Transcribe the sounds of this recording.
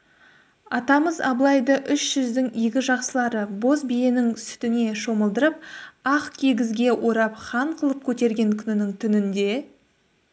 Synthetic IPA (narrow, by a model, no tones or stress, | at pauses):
ɑt̪ɑməzɑ̰blˠɑjd̪əʔʏʃʒ̥ʏzd̪ɪŋiɡʲɪʒɑqsəlˠɑɾəbo̞sbijenɪŋsʏ̥t̪ɪne̞ʃo̞məlˠd̪əɾəp̚ɑqkʲʰeɡʲɪzɡʲe̞wʔo̞ɾɑpχɑɴqʰəlˠəp̚kʲʰɵt̪e̞ɾɡʲe̞ŋkʲʰʏnɪnɪŋt̪ʰʏnɪnd̪e̞